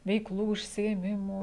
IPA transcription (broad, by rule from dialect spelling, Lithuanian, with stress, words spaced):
ʋʲɛɪkˈlˠuː ʊʃʲsʲɪeːˈmʲɪmuː